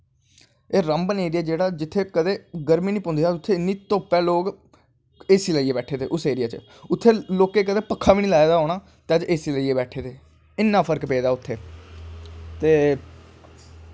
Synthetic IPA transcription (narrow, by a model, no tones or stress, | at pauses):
eːɾəmbəneːɾijaːd͡ʒeːɽaːd͡ʒɪt̪ʰːeːkəd̪eːɡəɾmiːnĩːpõːnd̪iːaːʊt̪ʰːeːɪnːiːt̪oːpɛːloːk | eːsiːləːiːeːbɛːʈʰeːt̪ʰḛːʔʊseːɾɪjaːt͡ʃ | ʊt̪ʰːeːloːkːeːkəd̪eːpəkʰːaːʋiːniːlaːed̪aːɦoːɽaː | t̪ɛd͡ʒʔeːsiːləieːbɛːʈʰeːt̪ʰeː | ɪnːãːpʰəɾkpeːd̪aːʊt̪ʰːeː | t̪eː